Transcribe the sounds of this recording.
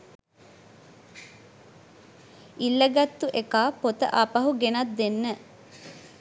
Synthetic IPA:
ilːəɡat̪ːuʔekaːpot̪ə̰ʔapaɦuɡenat̪̚d̪enːə

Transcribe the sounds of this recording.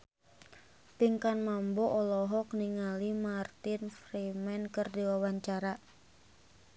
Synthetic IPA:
piŋkanmambɔʔɔlɔɦɔk̚niŋalimart̪infɾimɛnkɨrdiwawaɲt͡ʃaɾa

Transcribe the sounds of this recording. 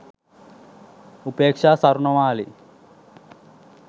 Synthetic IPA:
upeːkʂaːsɐɾuɳɐʋaːli

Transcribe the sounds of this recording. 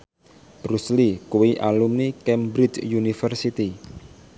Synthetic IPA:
b̥ɾuslikuwiʔalumnikɛmbɾit͡ʃjunifərsit̪i

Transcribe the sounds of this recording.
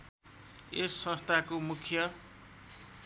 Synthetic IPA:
esːʌ̃st̪ʰakomukʰjʌ

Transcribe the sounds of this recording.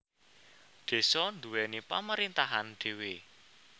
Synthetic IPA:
ɖ̪̥e̤sɔnd̪ṳwɛnipa̰məɾint̪aɦanɖ̪̥e̤we

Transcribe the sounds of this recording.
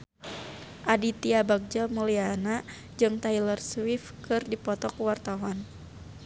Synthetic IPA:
ʔadit̪iabak̚d͡ʒamuliana | d͡ʒɨŋt̪ailərswifkɨrdipɔt̪ɔkuwart̪awan

